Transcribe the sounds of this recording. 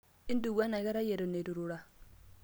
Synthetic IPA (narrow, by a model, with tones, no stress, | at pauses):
i˦ndu˨ɣwa˦na˨ɣɛ˦ɾa˦je˨ɾo˨ne˨ɾu˨ɾu˨ɺa˨